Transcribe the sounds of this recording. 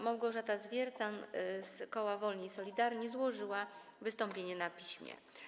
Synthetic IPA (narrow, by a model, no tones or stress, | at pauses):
mawɡɔʐat̪azvʲjɛɾt̪sanskɔwavɔlɲiisɔlʲid̪aɾɲizwɔʐɘwavɘst̪ɔmpʲjeɲɛnapʲiɕmʲjɛ̰